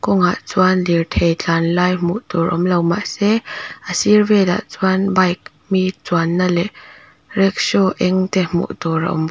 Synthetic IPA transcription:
kɔŋa̰ʔt͡swanlirt̪ʰejt͡ɬanlaːjmṵʔt̪ɔrʔʔɔmlɐwma̰ʔsɛʔəsirvɛt̪a̰ʔt͡sanbajk̚ | mit͡suanːalɛʔ | rɛk̚sɔʔɛŋt̪ɛmṵʔt̪ɔra̰ʔɔ̰m

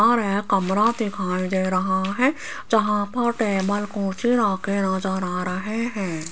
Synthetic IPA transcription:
aɾɦekɐmɾãd̪ɪkʰaːĩd̪eːɾɐɦaɦɛ̃ | d͡ʒɐɦãpɐɾʈeːməlkõːt͡ʃiɾaːkenad͡ʒaːɾaːɾəɦeɦɛ̃ː

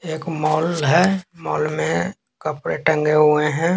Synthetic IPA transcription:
eːkmɔːlɦɛːmɔːlmẽ | kəpɾeʈə̃ŋɡeɦʊeɦɛ̃ː

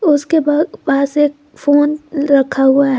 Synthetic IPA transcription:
ʊskebapaːseːk̚ | foːnɾɐkʰaɦʊaɦ

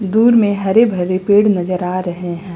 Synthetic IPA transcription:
d̪uːɾmẽɦɐɾebʱɐɾːepeːɽnɐd͡ʒəɾaːɾɐɦeɦɛ̃ː

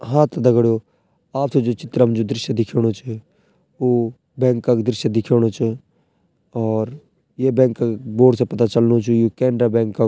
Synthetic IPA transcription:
ɦãːt̪d̪əɡɽjoː | aːp̚t̪ʰed͡ʒoːt͡ʃɪt̪ɾəmd͡ʒod̪ɾɪʃjəd̪ɪkʰjoːɽ̃ot͡ʃʰː | oː | bɛ̃ːŋkːakd̪ɾɪʃjəd̪ɪkʰjoːɽ̃ot͡ʃː | ɔːɾ | jeːbɛ̃ːŋkaboːɽsepɐt̪at͡ʃəlnot͡ʃʰujokɛ̃ːɳɖɾaːbɛ̃ːŋkːa

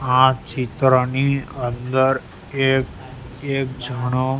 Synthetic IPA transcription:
ãt͡ʃit̪ɾəniənd̪əɾ | ek | ekd͡ʒʱəɽ̃o

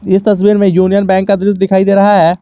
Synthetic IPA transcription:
ɪst̪əs̬biːɾmẽjuːnijənbɛ̃ːŋkːad̪ɪɾʊs̬d̪ɪkʰaːid̪eːɾɐɦaɦɛː

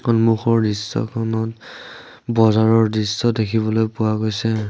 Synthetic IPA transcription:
kɔnmuxɔɹdisːɔ̰kʰɔnɔt | bɔzaɹɔɹdisːɔdekʰibɔlojpʊwaɡojsɛ

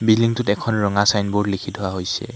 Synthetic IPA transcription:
biliŋtʊtɛkʰɔnɹɔŋasajnbʊɹlikʰitɦɔwaɦojsɛ̰

